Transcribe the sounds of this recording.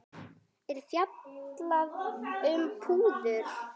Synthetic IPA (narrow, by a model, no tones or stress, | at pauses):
ɛɾ̥fjat̪laðʏmpʰuːðʏɾ̥